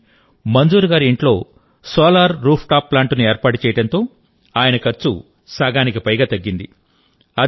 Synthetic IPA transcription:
mɐnd͡ʒuːɾuɡaːɾuiɳʈlo̞ː | sɔːlaːɾːuːpʰʈaːpːlaːɳʈunueːɾpaːʈu̥t͡ʃɛːjɐɽɐnt̪o̞ː | aːjɐnɐkɐɾt͡ʃːṵ | saːɡaːnikipɐjɡaːt̪ɐɡːind̪i | ɐ

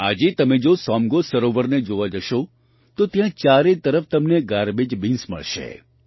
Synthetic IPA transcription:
a̰d͡ʒet̪əmed͡ʒosɔmɡosəɾoʋəɾned͡ʒoʋad͡ʒəʃo | t̪ot̪jãt͡ʃaɾet̪əɾəft̪əmneɡaɾbed͡ʒbinsmə̰ɭʃḛ

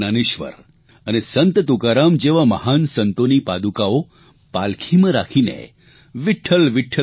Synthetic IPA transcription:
naniʃʋə̰ɾ | ənesənt̪ət̪ukaɾamd͡ʑeʋamə̰hansənt̪onipad̪ukao | palkʰimə̃ɾakʰinḛ | ʋiʈʰəlʋiʈʰːə

